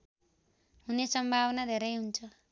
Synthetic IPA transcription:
ɦunesʌmbʱaβʌnad̪ʱeɾʌjɦunt͡sʰʌ

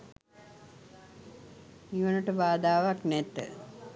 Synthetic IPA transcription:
iʋənəʈəbaːd̪aːʋaknɛt̪ːə̰

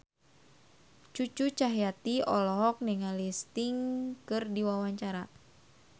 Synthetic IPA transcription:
t͡ʃut͡ʃut͡ʃaɦijat̪iɔlɔɦɔk̚niŋalist̪iŋkɨrdiwawaɲt͡ʃaɾa

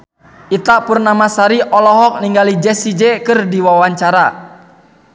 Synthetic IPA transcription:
ʔit̪apurnamasaɾiʔɔlɔɦɔk̚niŋɡalid͡ʒɛsid͡ʒɛkɨrdiwawaɲt͡ʃaɾa

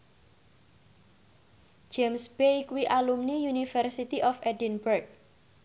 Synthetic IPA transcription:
d͡ʒ̥emsb̥ejkuwiʔalumnijunifərsit̪iʔɔfɛdinbərk̚

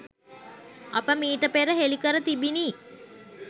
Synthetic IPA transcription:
apəmiːʈəpeɾəɦelikəɾət̪ibini

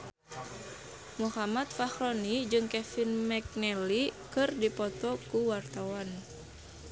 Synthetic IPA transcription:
muhamat̪̚fahɾɔnid͡ʒɨŋkɛfinmɛk̚nɛlikɨrdipɔt̪ɔkuwart̪awan

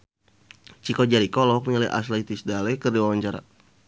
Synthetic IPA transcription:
t͡ʃikɔd͡ʒaɾikɔlɔk̚alɛʔa̰slɛt̪isdalɛkərdiwawaɲt͡ʃaɾa̰

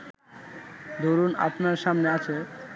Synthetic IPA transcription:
d̪ʱoɾuna̰pnaɾʃamneat͡ɕʰe

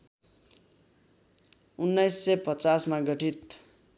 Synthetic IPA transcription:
unːʌjsːʌpʌt͡sasmaɡʌʈʰit̪

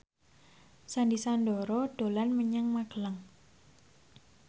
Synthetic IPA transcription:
sandisandɔɾɔɖ̥olanməɲaŋmaɡ̥əlaŋ

